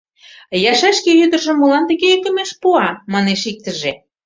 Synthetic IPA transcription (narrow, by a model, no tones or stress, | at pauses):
jɑʃæʃkejyd̪ə̆ʒə̆mːolɑnt̪ə̆ɣeek̪ə̆meʃpuɑmɑneʃik̚t̪ə̆ʒe